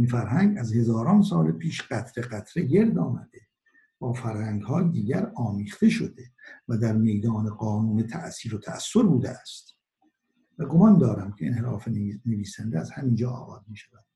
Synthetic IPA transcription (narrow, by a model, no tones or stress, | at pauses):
infæɾɦæŋɡæzhe̞zɒːɾɒːnsɒːlepʰiːʃɢæt̪ʰɾeɢæt̪ʰɾeɟe̞ɾd̪ɒːmæd̪e̞ | b̥ɒːfæɾhæŋɡhɒːjed̪iːɟæɾɒːmiːχt̪e̞ʃo̞̰d̪evæd̪æɾme̞jd̪ɒːneɡɒːnuːnet̪ʰæʔsiːɾot̪ʰæ̰ʔæ̰sːo̞ɾbuːd̪eæst̪ | væɡo̞mɒnd̪ɒːɾæmcʰeḛnhe̞ɾɒːfene̞viːsænd̪eæzhæmiːnd͡ʒɒːɒ̰ːɣɒːzmiːʃævæd̪̥